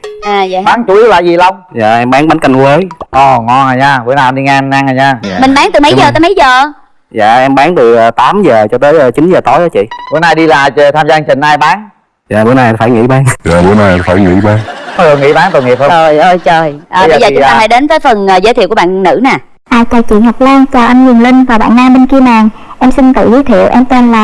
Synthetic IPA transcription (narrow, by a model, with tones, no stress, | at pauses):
ʔaː˨˩a˧˨ɓaː˨˦ŋt͡ɕu˨˧˦ʔi˧wla̰ː˧˨jzi˨˩la˧wŋ͡mza̰ː˧˨ʔɛ˧mɓaː˨˦ŋɓa˨˦nka˧jŋkwəː˨˦jʔɔ˨˩ŋɔ˧naː˨˩jɲaː˧ɓu˧˦əna˧ɗi˧ŋa˧na˧naː˨˩ɲaː˧mï˨˩ŋ̟ɓaː˨˦ŋt̪ɨ˨˩mə˨˦zəː˨˩t̪əː˨˦mə˨˦jzəː˨˩ | za̰ː˧˨ʔɛ˧mɓaː˨˦ŋt̪ɨ˨˩ʔəː˨˩t̪aː˨˦mzəː˨˩t͡ɕɔ˧t̪əː˨˦jʔəː˨˩t͡ɕi˨˦nzəː˨˩t̪ɔ˨˦jʔaː˨˦t͡ɕḭ˧˨ɓu˨˦jnaː˧˨jɗi˧laː˨˩ə˨˩t̪ʰaː˧mzaː˧nt͡ɕï˨˩ŋ̟ʔaː˧jɓaː˨˦ŋ | za̰ː˧˨ɓu˨˦naː˨˩jfaː˧˩jŋḭ˧˥ɓaː˨˦ŋza̰ː˨˩ɓu˨˦naː˨˩˧faː˧˩jŋḭ˧˥ɓaː˨˦ŋkɔ˧˦jt̪o˨˩jŋḭ˧˥˦ɓaː˨˦ŋt̪o˨˩jŋi˨˩əp̚hə˧˨˩jʔə˧˩jt͡ɕəː˨˩jʔəː˨˧˩zɓə˧˨jzəː˨˩ʊ˦t̪aː˧faː˧˥jɗe˨˦nvəː˨˦jfə˨˩nː˨˩zə˨˦t̪ʰi˧˨ku˧˩˦ɓa̰ː˧˨nːɨ̰˧˥naː˨˩ | ʔaː˧˩jt͡ɕɔ˨˩t͡ɕwḭ˧˨ənhɦɔ˨˩k͡p̚laː˧ŋt͡ɕɔ˧ʔa˧mzŋlï˧ŋ̟vaː˨˩ɓa̰ː˧˨nːaː˧mɓe˧nki˧əmaː˨˩ŋʔɛ˧msï˧nt̪ɨ̰˧˨zi˨˦t̪ʰḭ˧˨əwʔɛ˧mt̪e˧nlaː˨˩˨